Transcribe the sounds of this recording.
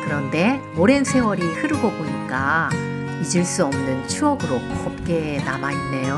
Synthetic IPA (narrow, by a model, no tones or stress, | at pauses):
kɯɾʌnde̞ | oɾe̞nsʰe̞wʌɾihɯɾɯɡʌboɲik͈a | id͡ʑɯɭs͈uʌmnɯnt͡ɕʰuʌɡɯɾokʌp̚k͈e̞namainːe̞jo